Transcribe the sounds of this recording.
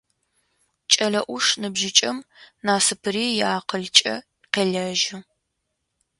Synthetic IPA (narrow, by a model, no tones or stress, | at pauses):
t͡ʃʼɐɮɐʔʷʊʂnɨbʒɪt͡ʃʼɐmnaːsɨpʰɨɾiːjaːqəɮt͡ʃʼɐ̰ | qeːɮɐʒɪ